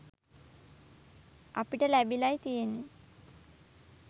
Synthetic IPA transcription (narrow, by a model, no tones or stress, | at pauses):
apiʈəlæbilajt̪ijenːe